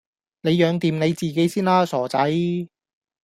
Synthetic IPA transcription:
ne˨˧jjœː˨˧ŋt̪iː˨mne˨˧jt͡siː˨˩ke˨˥jsiː˥nlaː˧sɔː˨˩t͡sɐ˨˥j

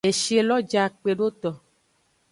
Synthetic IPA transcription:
e˨ʃi˦e˨lɔ˦d͡ʒa˨k͡pe˨ɖo˦t̪ɔ˨

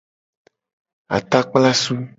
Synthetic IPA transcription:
a̰˨t̪a˦k͡pla˦su˦

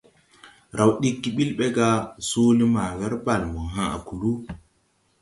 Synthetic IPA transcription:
ɾʔa˨wɗi˦kːi˦ɓi˦lɓe˦ɡa˦so˦li˦ma˨wɛ˦ɾba˨lmo˨ɦã˦a̰˨ku˨lu˦

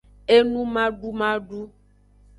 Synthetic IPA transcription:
e˦nũ˦mã˦ɖu˦mã˦ɖu˦

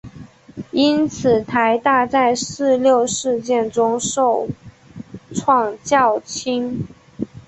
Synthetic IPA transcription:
i˥nt͡sʰɹ̩˨˩t̪ʰa˧˥ɪt̪a˥˧t͡sa˥˧ɪsɹ̩˥˧ljo˥˧ʊʂɻ̩˥˧t͡ɕjɛ˥˩nʈ͡ʂʊ˥ŋʂo˥˩ʊ | ʈ͡ʂʰwɑ˥˧ŋt͡ɕjɑ˥˩ʊt͡ɕʰi˥n

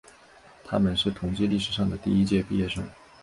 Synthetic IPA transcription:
t̪ʰa̰˥mə˨nʂɻ̩˥˩t̪ʰʊ˧˥ŋt͡ɕi˥li˥˩ʂɻ̩˧˥ʂɑ˥˩ŋd̪ə˩t̪i˥˧i˥t͡ɕjɛ˥˧pi˥˧jɛ˥˩ʂɤ˥ŋ

